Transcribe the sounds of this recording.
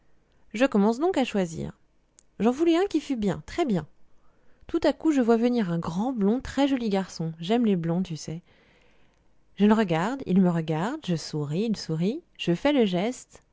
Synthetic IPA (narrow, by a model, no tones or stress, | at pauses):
ʒəkɔmɑ̃sd̪ɔ̃kaʃwazḭːʁ | ʒɑ̃vulɛɛ̃kʲifybjɛ̰̃t̪χɛbjɛ̃ | t̪ut̪akuʒəvwavəniʁɛ̃ɡʁɑ̃blɔ̃t̪χɛʒɔliɡaʁsɔ̃ʒɛmleblɔ̃t̪ysɛ | ʒələʁəɡaʁd̪ḭlməʁəɡaʁd̪ʒəsuʁiːlsuʁiʒ̥əfɛləʒɛst̪